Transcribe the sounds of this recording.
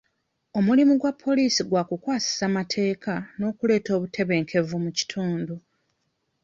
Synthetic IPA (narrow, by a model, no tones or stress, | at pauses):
o̞mulimuɡwapʰːo̞liːsiɡwaːkukwaːsi̥samatʰe̞ːkano̞ːkule̞ːto̞ːβutʰe̞βe̞ːŋkʰe̞vumuci̥tʰuːndu